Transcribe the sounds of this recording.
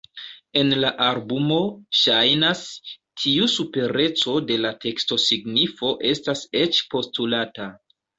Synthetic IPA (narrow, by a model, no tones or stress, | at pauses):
e̞nlaʔalbumo̞ʃajnastʰiusupe̞ɾe̞t͡so̞de̞latʰe̞ksto̞siɡnifo̞ʔe̞stase̞t͡ʃpo̞stulata